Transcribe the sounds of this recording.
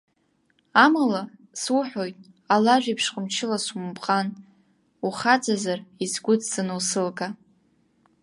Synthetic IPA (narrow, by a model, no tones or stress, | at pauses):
amala | suħᶣojtʼ | alaʒʷᶣipʰʂqʼəmt͡ʃʰɪlasumpʼqʼan | uχat͡sʼazarizɡʷʊt͡sʰzanɨlsɨlkʼa